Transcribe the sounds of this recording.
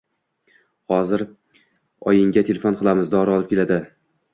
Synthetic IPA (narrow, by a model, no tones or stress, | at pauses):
hɒzɪɾ | ɒjɪŋɡʲat̪ʰe̞lʲefonqʰɨlˠamɪzd̪aɒɾɒlˠɪp̚kʲe̞lad̪ɪ